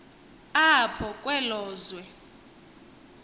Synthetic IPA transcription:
apʰɔkʼwɛlɔːzwɛ

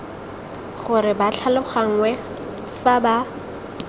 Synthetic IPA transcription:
χʊɾɪbaɬʰalʊχaŋ̩wɛ | faba

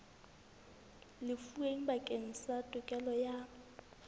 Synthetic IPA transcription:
lɪfueŋ̩bakʼeŋ̩satʼʊkʼɛlɔja

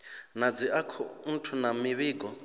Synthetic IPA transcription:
nad͡ziʔakʰɔ̰n̩tʰunamiβiːkʼɔ

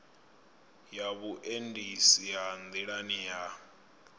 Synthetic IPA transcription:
jaβuʔendʱisijand̪iɺanija

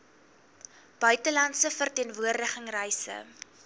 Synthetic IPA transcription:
b̥œɥtəlɐntsəfərtiənvuərdəχəŋrɛjsə̰

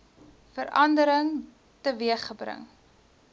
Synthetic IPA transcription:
fəɾʔɐndəɾəŋ | təviəχːəbrə̰ŋ

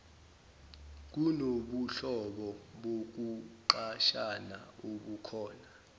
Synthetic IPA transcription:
k̬unoɓuɬɔɓɔɓok̬uǃaʃanaoɓukʰɔːna

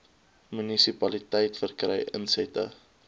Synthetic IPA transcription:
mynisipɐlitəjtfərkrɛ̰jʔə̰nsɛtə̰

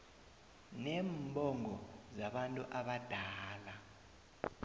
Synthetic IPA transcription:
nɛːmbʱɔŋɔzaɓantʼuʔaɓad̥ʱaːla

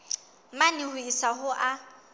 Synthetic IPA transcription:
manɪhʊisaɦʊʔa

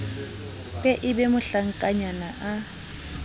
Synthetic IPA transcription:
pʼɛʔɪbɛmʊɬaŋ̩kʼaɲanaʔa

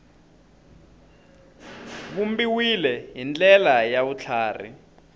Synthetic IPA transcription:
βumbiwilɛɦint͡ɬʼɛlajaβut͡ɬʰaːrḭ

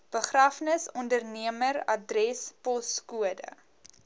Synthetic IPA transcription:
b̥əχrafnəsɔndərniəmərɐdrɛspɔskuədə̰

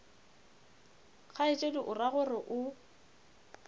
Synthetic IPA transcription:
ɣʰaɪt͡ʃʼedʊʔʊraɣʊrɪʔʊ

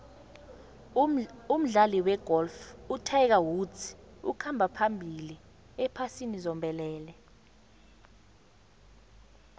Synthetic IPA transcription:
um̩ɮaliwɛɡ̥ɔlfutʰaɛk̬awut͡sṵkʰambʱapʰambʱili | ɛpʰasinizɔmbʱɛlɛːlɛ

